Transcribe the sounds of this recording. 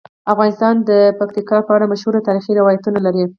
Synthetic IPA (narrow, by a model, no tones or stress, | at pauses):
afɣɑnɪst̪ɑnd̪əpak̚t̪ikɑpəaɽamaʃhuɾat̪ɑɾixiɾɪwɑjat̪unalaɾi